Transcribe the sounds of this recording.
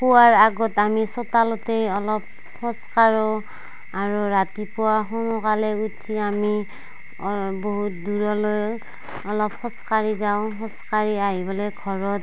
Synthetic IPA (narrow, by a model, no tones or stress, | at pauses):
pʊwaɹaɡɔtamisɔtalɔtejɔlɔp̚ | hɔ̃skaɹɔ | aɹuɹatipʊwaxunɔkalɛutʰːiami | boɦut̚duɹɔloj | ɔlɔphɔ̃skaɹizaʊ̃ɦɔ̃skaɹiaɦibɔlɔjɡʱɔɹɔt